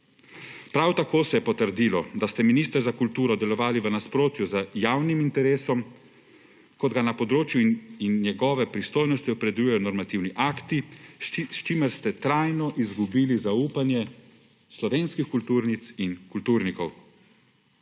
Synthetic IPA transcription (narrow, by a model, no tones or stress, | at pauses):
pɾawt̪akoːsɛjɛpɔt̪əɾd̪iːlɔd̪ast̪ɛminiːst̪ɾzakult̪uːɾɔd̪ɛlɔʋaːliʋənaspɾoːt̪juzəjaːwnimint̪ɛɾeːsɔm | kɔd̪ɡanapɔd̪ɾoːt͡ʃjuinːjɛɡɔːʋɛpɾist̪oːjnɔst̪iɔpɾɛd̪ɛlujɛjɔnɔɾmat̪iwniʔakt̪i | st͡ʃiməɾst̪ɛt̪ɾaːjnɔʔizɡubiːlizauːpanjɛ | slɔʋeːnskixkult̪uːɾnit̪sinkult̪uːɾnikɔw